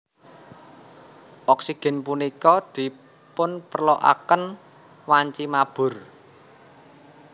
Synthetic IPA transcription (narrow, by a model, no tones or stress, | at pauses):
ʔɔksiɡ̥ɛ̤npunikɔd̪̥i̤ | pʊnpərlɔʔa̰kən | waɲt͡ʃimab̥ʊ̤r